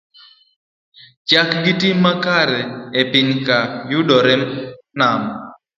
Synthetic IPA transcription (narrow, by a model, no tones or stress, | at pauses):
t͡ʃakɡɪtimːakaɾɛepɪɲkajʊdɔɾɛ | nam